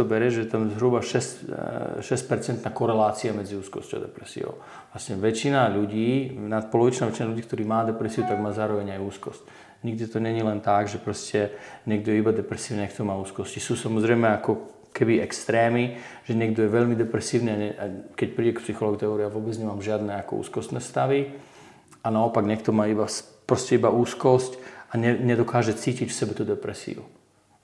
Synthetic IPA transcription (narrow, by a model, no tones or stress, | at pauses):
ɔbɛɾɛʒɛɛt̪amzɦɾubaʃɛscʃɛsc̚pɛɾt͡sɛnt̪naːkɔɾɛlaːt͡siamɛd͡ziuːskɔ̰scɔʊad̪ɛ̰pɾɛsḭɔ̰ʊ | ʋlasɲɛʋɛt͡ʃinaʎuɟiːnat̪̚pɔlɔʋit͡ʃnaːʋɛt͡ʃinaʎuɟiːkt̪ɔɾiːmaːd̪ɛpɾɛsiut̪aɡmaːzaːɾɔʋɛɲajuːskɔsc | ɲiɡ̚d̪it̪ɔɲɛɲilɛnt̪aɡʒɛpɾɔscɛɲɛɡ̚d̪ɔjɛibad̪ɛpɾɛsiːʊniajkt̪ɔmaːuːskɔscisuːsamɔzɾɛjmɛakɔ | kɛbiɛkst̪ɾɛːmiʒ̥ɛɲɪɛɡd̪ɔjɛʋɛʎmid̪ɛpɾɛsiːʊniaɲɛakɛc̚pɾiɟɛkpsixɔlɔːɡut̪ɛɔɾiaʋʊɔbɛd͡zɲɛmaːmʒɪad̪nɛakɔ̰ṵːskɔst̪nɛːst̪aʋi | anaɔpaɡɲɛkt̪ɔmaːibaspɾɔscɛibauːskɔscaɲɛɲɛd̪ɔkaːʒɛt͡siːcicfsɛbɛt̪ud̪ɛpɾɛsḭṵ